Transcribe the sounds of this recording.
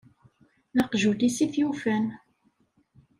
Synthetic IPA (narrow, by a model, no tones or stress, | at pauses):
nɑqʒud̪isiθjufən